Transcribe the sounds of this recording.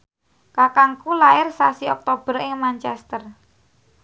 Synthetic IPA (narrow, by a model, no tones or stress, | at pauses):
kakaŋkulaɪrsasiɔk̚t̪ob̥ərɪŋmant͡ʃɛst̪ər